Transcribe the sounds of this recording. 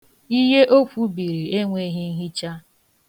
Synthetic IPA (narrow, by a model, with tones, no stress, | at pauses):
i˦ɦe˦ʔo˦fʷu˦bi˨ɾi˨e˦ŋʷe˨˦ɦi˦n̩˦ɦi˦t͡ʃa˦